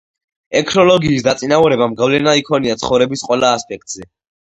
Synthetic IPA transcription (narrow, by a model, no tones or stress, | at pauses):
ɛkʰnɔlɔɡiːsd̪at̪sʼinauɾɛbamɡavlɛnaikʰɔniat̪sʰχɔvɾɛbisqʼwɛlaːspʼɛk̚t̪ʼz̥ɛ